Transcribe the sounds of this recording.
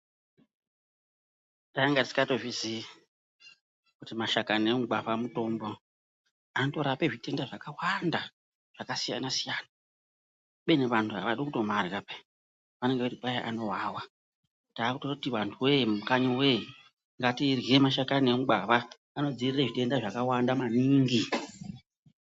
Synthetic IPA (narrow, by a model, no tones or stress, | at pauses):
taaŋɡatisi̥kato̞ʐisi | kutimaʃakanemuɡ͡baβamuto̞mbo̞ | anto̞ɾape̞ʐite̞ndaʐakawanda | ʐ̥akasija̰nasijaːna | ɓeneʋantʰuɦa̰ʋaɗokuto̞marikape | ʋane̞ŋɡeʋaripajaʔano̞ɦawa | taːkutorakutiʋantʰuwemukaɲowe | ŋɡatirɣiemaʃakanemuɡ͡baʋaː | no̞d͡zirireʐite̞ndaʐakawandamaniːŋɡi